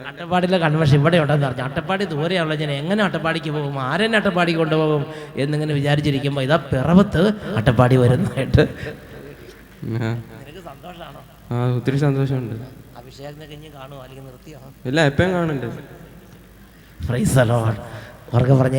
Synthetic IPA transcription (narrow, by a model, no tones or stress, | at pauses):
ɐʈːɐpːaːɽilːekɐɳʋɐrʂɐmiʋːɐɽeoɳɖeːnːɨpɐrɐɲːuɐʈːɐpːaːɽid̪uːɾɐjaːnuɭːɐɲaːneŋːɐneɐʈːɐpːaːɽikʲːɨpo̞ːɣumaːɾenːeɐʈːɐpːaːɽikʲːɨko̞ɳɖɨpo̞ːɣumenːiŋːɐneʋit͡ɕaːɾit͡ɕːiɾikʲːumbo̞ːiðaːpirɐbɐt̪ːɨɐʈːɐpːaːɽiʋɐɾunːɐaːjiʈːɨ | aenɐkːɨsɐnd̪oːʂɐaːɳo | aːut̪ːɐɾisɐnd̪o̞ːʂɐmuɳɖɨʋiʂɐjaɐnːɐkɐɲːikaːɳuaːlikʲːunːirɨt̪ːijelːaepːɐjŋkaːɳɐnɖɐ | frijsɐlo | o̰rɐkːepɐrɐɲː